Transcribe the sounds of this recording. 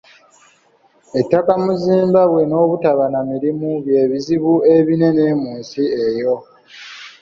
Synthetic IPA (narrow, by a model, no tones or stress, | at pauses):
e̞tːakamuziːmbaβwe̞no̞ːβutaβanamiɾimuβje̞ːβiziβue̞βine̞ne̞ːmuːnsiejo̞